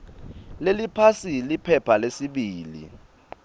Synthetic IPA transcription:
lelipʰasilipʰɛpʰalesiɓiːlḭ

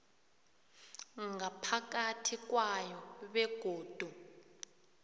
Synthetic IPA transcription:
ŋapʰak̬atʰik̬wajɔɓɛɡ̥ʱoːd̥ʱu

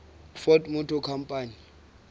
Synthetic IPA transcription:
fɔtʼmʊtʰɔkʰam̩pʼaːni

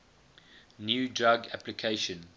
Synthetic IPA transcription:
njuːdɹaɡæplikʰeɪʃə̃n

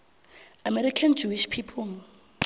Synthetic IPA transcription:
amɛɾikʰand͡ʒuiʃpʰipʰɔ

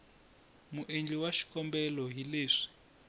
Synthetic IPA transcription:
muʔend͡ɮiwaʃi̥kɔmbɛlɔɦileːʂi̥

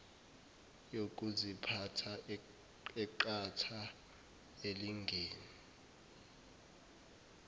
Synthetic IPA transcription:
jok̬ʼuzipʰatʰa | ɛǃatʰa | eliŋɡʱeːni

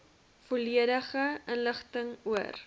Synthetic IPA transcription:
fuliəɾəχəʔənləχtəŋuər

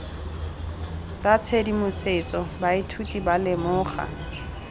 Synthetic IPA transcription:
t͡sʼat͡sʰedimʊset͡sʼɔbaitʰutʼibalɪmʊːχa̰

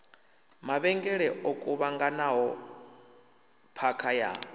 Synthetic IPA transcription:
maβɛŋɡɛɺɛʔɔkʼuβaŋɡanaɦɔ | pʰakʰaja̰ː

